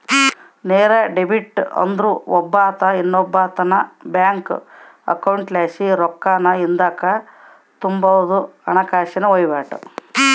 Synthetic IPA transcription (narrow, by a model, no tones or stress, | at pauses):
neːɾɐɖebiʈːɐ̰nd̪ɾuɔbːaːt̪ɐinːɔbːaːt̪ɐnɐbjaːŋk | ɐ̰kɐwuɳʈlaːʃiɾɔkːaːnɐind̪aːkɐ | t̪umbɐʋɐd̪uɐnɐkaːʃɐnɐojʋaːʈṵ